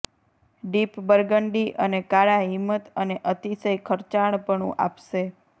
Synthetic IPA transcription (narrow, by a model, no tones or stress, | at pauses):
ɖipbəɾɡəɳɖiʔənekaɭaɦimːət̪əneʔət̪isəjkʰəɾt͡ʃaɽ̃pəɳṵ̃ʔa̰pʃe